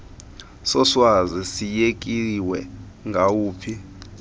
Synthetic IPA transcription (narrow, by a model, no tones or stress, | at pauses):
sɔswazisijek̬ʼiwɛ | ŋɡʱauːpʰi